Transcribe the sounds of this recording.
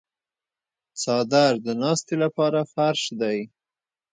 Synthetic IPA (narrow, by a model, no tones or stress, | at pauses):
t͡sɑd̪aɾd̪ənɑst̪elapɑɾafaɾʃd̪aj